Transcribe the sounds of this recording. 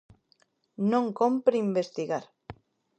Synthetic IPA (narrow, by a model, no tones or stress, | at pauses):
nõŋkompɾimbest̪iɣaɾ